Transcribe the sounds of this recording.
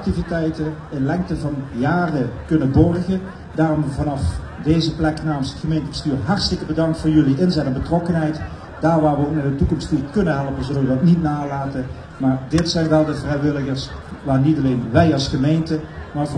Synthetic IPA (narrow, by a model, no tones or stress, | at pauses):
k̚tivitɛjtə | ɪnlɛŋk̚təvɑnjaːrəkɵnənbɔrɣə | daːrɔmvɑnɑf | dejzəplɛknaːməsə̥txəmejntəbəstyːrɦɑrtələkəbədɑŋk̚tfʊːɹjɵliʔɪnzɛtɛnbətrɔkənɦɛjt | d̥aːɹʋaːɹʋəokɪndətukɔmstnikɵnənɦɛlˠpənzɵləʋədɑtnitnaːlaːtə | maːrdɪtsɛjnʋɛlˠdəvrɛjʋɪlˠəɣəɹsʋaːrnitɑleːnʋɛjɑlˠsχəmejntəmaːv